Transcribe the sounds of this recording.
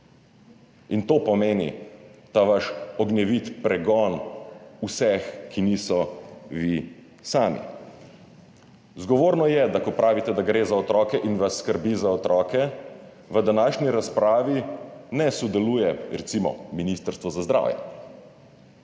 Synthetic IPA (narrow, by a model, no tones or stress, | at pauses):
int̪oːpɔmeːnḭt̪aʋaʃɔɡnɛʋit̪pɾɛɡɔnusɛxkʰiniːsɔʋi | saːmḭ | zɡɔʋoːɾnɔjɛd̪akɔpɾaːʋit̪ɛd̪aɡɾezaɔt̪ɾɔːkɛʔinʋasːkəɾbiːzaɔt̪ɾɔːkɛ | ʋəd̪anaːʃniɾaspɾaːʋinɛsɔd̪ɛluːjɛɾɛ̰t̪simɔ̰minist̪əɾst̪ʋɔzazd̪ɾa̰ːwjɛ̰